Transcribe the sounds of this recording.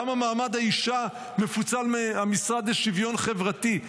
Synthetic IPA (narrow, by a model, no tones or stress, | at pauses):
amamaːmad̪haiʃa | me̞fut͡salmeamisʁad̪leʃivjo̞nχe̞vʁati